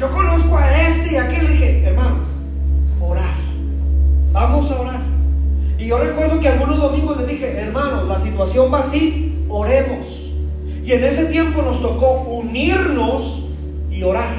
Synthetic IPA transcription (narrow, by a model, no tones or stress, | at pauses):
ʝo̞ko̞no̞sko̞aest̪eiakeleðixe̞eɾmãnos | oɾaɾ | bamo̞sao̞ɾaɾ | iʝo̞re̞kwe̞ɾðo̞kealɣuno̞zðo̞mĩŋɡo̞zleðixe̞ʔeɾmãno̞slasit̪wasjo̞mbaːsio̞ɾe̞mo̞s | ie̞ne̞se̞t̪je̞mpo̞no̞st̪o̞ko̞uniɾno̞s | io̞ɾaɾ